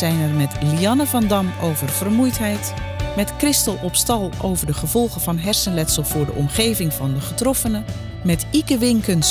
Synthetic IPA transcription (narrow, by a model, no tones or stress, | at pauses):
zɛjnɛrmɛtliɑnəvɑndɑmowvərv̥ərmujtɦɛjt | mɛtkrɪstəlˠɔpstɑlˠo̰wvəɹdəχəv̥ɔlˠχəvɑnɦɛɹsənlɛtsəlˠv̥ʊːɹdəʔɔmχejvɪŋvɑndəχətrɔfənə | mɛtikəʋɪŋkəns